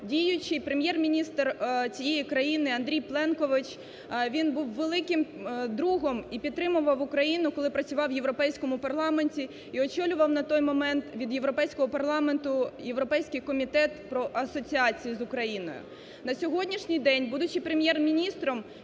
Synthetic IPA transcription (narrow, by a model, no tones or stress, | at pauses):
dʲijʊt͡ʃɪjpɾemʲjɛrmʲinʲist̪rt͡sʲijejikɾɐjinɪɐnd̪ɾʲijplˠɛnkɔʋɪt͡ʃ | ʋʲinbuwʋelˠɪkɪmd̪ɾuɦɔmipʲid̪̚t̪ːɾɪmʊʋɐwʊkɾɐjinʊkɔlˠɪpɾɐt͡sʲʊʋɑwjeʋɾɔpɛjsʲkɔmʊpɐrlˠɑmenʲtʲi | iɔt͡ʃɔlʲʊʋɐwnɐt̪ɔjmɔmɛnt̪ʋʲid̪jeʋɾɔpɛjsʲkɔɦɔpɐrlˠɑment̪ʊjeʋɾɔpɛjsʲkɪjkɔmʲit̪ɛt̪pɾɔʔɐsɔt͡sʲiɑt͡sʲijizʊkɾɐjinɔ̰jʊ̰ | nɐsʲɔɦɔdʲnʲiʃnʲɪjd̪ɛnʲbud̪ʊt͡ʃɪpɾemʲjɛrmʲinʲist̪ɾɔm